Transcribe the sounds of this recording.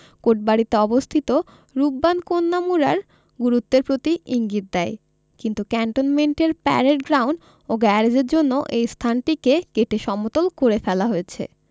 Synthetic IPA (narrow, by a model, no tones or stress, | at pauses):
koʈ̚baɽit̪eɔbost̪ʰit̪o | ɾubːankonːamuɾaɾ | ɡuɾut̪ːeɾpɾot̪iiŋɡit̪̚d̪ɛe | kint̪ukɛɳʈonmeɳʈeɾpɛ̰ɾeʈɡɾawɳɖ | oɡɛɾed͡ʑeɾd͡ʑonːoʔejst̪ʰanʈikekeʈeʃɔmot̪olkoɾefɛlaɦoet͡ɕʰḛ